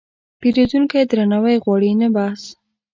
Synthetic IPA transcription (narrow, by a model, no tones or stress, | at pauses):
peɾezuŋkajd̪ɾanawajɣwɑɽinabas